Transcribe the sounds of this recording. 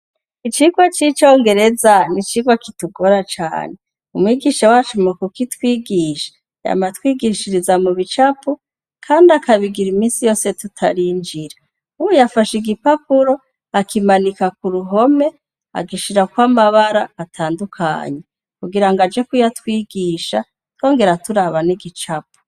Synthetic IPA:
it͡ʃiɡwat͡ʃit͡ʃo̞ːŋɡe̞ɾe̞zanit͡ʃiɡwakituɡo̞ɾat͡ʃa̰ːne̞ | umwiːɡiːʃawat͡ʃomokukitwiːɡiːʃḁ | ja̰matwiːɡiʃiɾizamuβit͡ʃapu | kʰaːndakaβiɡiɾimiːnsijo̞ːse̞tutʰaɾiːnd͡ʒiɾa | uwujafaʃiɡipapuɾo̞ | akimanikakuɾuɦo̞me̞ | a̰ɡiʃiɾakwamaβaɾaːtʰaːndukʰa̰ːɲe | kuɡiɾaŋɡad͡ʒe̞kujatwiːɡiːʃa̰ | two̞ːŋɡe̞ɾatuɾaβaniɡit͡ʃapu̥

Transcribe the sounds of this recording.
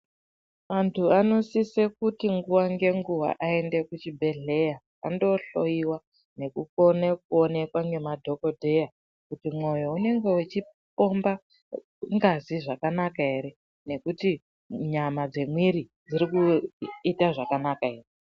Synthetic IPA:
mantʰuano̞sisekutiŋɡuwaŋɡe̞ŋɡuwa̰ʔae̞nde̞kut͡ʃibʱe̞ɮe̞ja | a̰ndo̞ɬo̞jiwa | ne̞kuko̞nek̚uone̞kwaŋɡe̞madʱo̞ko̞dʱe̞ja | kutimwo̞jo̞une̞ŋɡe̞ut͡ʃipo̞mba | ŋɡaziʐakanakae̞ɾe̞ | ne̞kuti | ɲamad͡ze̞mwiɾid͡ziɾikuitaʐakanakae̞ːre

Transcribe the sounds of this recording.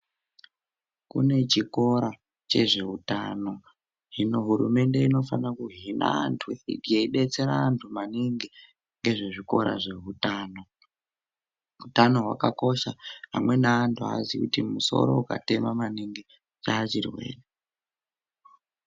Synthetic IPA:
kṵne̞t͡ʃiko̞ɾa | t͡ʃe̞ʐe̞utano̞ | ɦinoɦuɾume̞nde̞ino̞fanakuɦina̰antʰuweindijeiɗe̞t͡se̞ɾaːntʰumaniŋɡe | ŋɡe̞ʐe̞ʐiko̞ɾa̰ʐe̞ɦutaːno̞ | utano̞ɦwa̰kako̞ʃaɦamwe̞naːntʰua̰zikutimuso̞̰ɾo̞̰uka̰te̞mamaniŋɡe | t͡ʃaːt͡ʃirwe̞̰ːre

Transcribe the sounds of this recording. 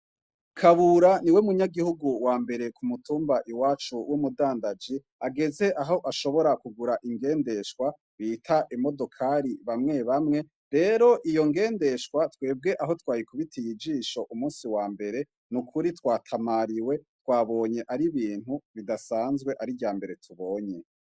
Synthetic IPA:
kʰaβuɾaniwe̞muɲaɡihuɡuwaːmbe̞ɾe̞kumutuːmbaʔiwaːt͡ʃuwumudaːndad͡ʒi | aɡe̞ze̞ʔaɦo̞ʔaʃo̞βo̞ɾakuɡuɾaʔiŋɡe̞ːnde̞ʃkwa | βitʰaʔimo̞do̞kʰaɾiβamŋe̞βamŋe̞ | ɾe̞ːɾo̞ʔijo̞ŋɡe̞ːnde̞ʃwatwe̞ːb̚ɡe̞ʔaɦo̞twaːjikuβitʰijid͡ʒiːʃo̞ʔumuːsiwaːmbe̞ɾe̞ | nukʰuɾitwaːtʰamaɾiwe̞twaːβo̞ːɲe̞ʔaɾiβiːn̥uβidasaːnzɡwe̞ʔaɾijaːmbe̞ɾe̞tʰuβo̞ːɲe

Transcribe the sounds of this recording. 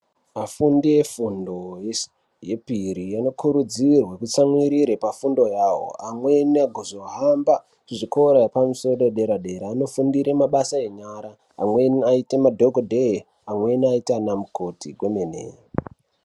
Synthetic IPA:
afundije̞fundo̞je | je̞piɾijano̞kʰuɾud͡zirwekut͡samwiɾiɾepafundo̞jaːɦo̰amwe̞niaɡʱozoɦamba | kuʐikoɾojapamusoɗoɗe̞ɾaɗe̞ɾaːno̞fundiɾemaɓasae̞ɲaɾa̰ː | mwe̞niaitemadʱoɡodʱe | amwe̞niaitanamuko̞tiɡʱwemenḛ

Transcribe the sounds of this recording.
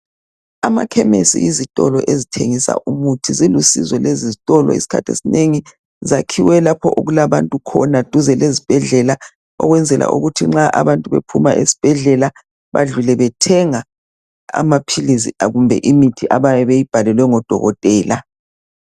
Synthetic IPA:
amakʰɛmesḭizitʼɔlɔʔezitʰeŋisa̰ʔumutʰizilusḭzɔlezizitʼɔlɔ̰ḭsi̥kʰatʰḛsineŋi | zakʰiwɛlapʰɔʔoɣulaβantʼukʰɔnad̥ʱuzɛlezib̥ʱɛɮɛla | ɔ̰ɣwɛnd͡zʱɛlʔa̰ʔṵɣutʰiŋ͡ǁaʔaβantʼuβḛpʰumaʔesi̥b̥ʱɛɮɛla | βa̰ɮulɛβɛtʰɛŋa | a̰mapʰilis̬iaɣumbʱɛ̰ʔimitʰiʔaβajɛβejib̥ʱalɛlwɛŋɔd̥ʱɔ̰ɣɔtʼɛːla

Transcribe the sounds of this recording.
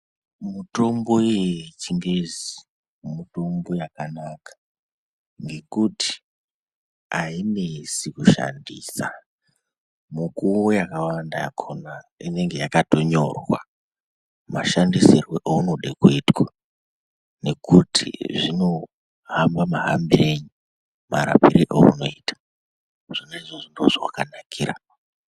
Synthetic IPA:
muto̞mbo̞jet͡ʃiŋɡezi | muto̞mbo̞jakanakḁ | ŋɡe̞kuti̥ | aine̞sikuʃa̰ndiːsa̰ | mukujakawandaakʰonaine̞ŋɡe̞jakato̞ɲo̞̰rwa | maʃandisirweʔounoɗekuitwa | ne̞kutʰḭʐino̞ | ɦambamaɦa̰mbireɲu | maɾa̰piɾiʔoṵno̞iːtḁ | ʐ̥ineʐoʐinoʐwa̰kanakʰiːɾa̰

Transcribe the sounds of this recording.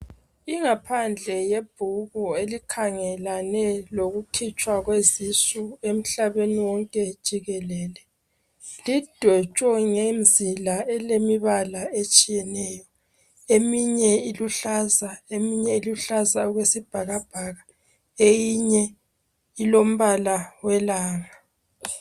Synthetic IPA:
iŋapʰand͡ɮʱɛjeb̥ʱuɣuelikʰaŋɛlanɛloɣukʰit͡ʃʼwaɣwezisuem̩ɬaβeniwɔŋkʼɛd̥ʒ̥ʱiɣɛlɛːlɛ | lid̥ʱwɛt͡ʃʼɔŋemzilaɛlemiβalaet͡ʃʼijɛnɛːjɔ | emiɲɛiluɬazaemiɲɛiluɬazauɣwesib̥ʱaɣab̥ʱaɣa | ejiɲɛ | ilom̩βalawɛlaːŋa

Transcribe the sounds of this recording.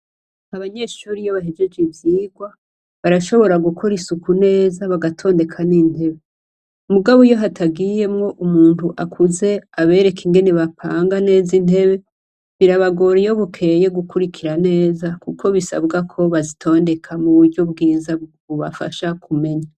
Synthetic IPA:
aβaɲe̞ːʃuːɾijoβaɦed͡ʒe̞d͡ʒivjiːɡwa | βaɾaʃo̞βo̞ɾaɡukʰo̞ɾisukune̞ːzaβaɡatʰo̞ːnde̞kʰaniːn̥he̞βe̞ | umuɡaβojo̞ɦatʰabɡije̞mŋo̞ʔumuːntuʔakʰuze̞aβe̞ːɾe̞kʰiŋɡe̞ne̞βapʰaːŋɡane̞ːzin̥e̞βe̞ | βiɾaβaɡo̞ɾijo̞βukʰe̞je̞ɡukuɾikʰiɾane̞ːzakukʰo̞βisa̰bɡakʰo̞βazitʰo̞ːnde̞kʰamuβuɾɟo̞bɡiːzaβuβa̰fa̰ʃakʰume̞ɲa

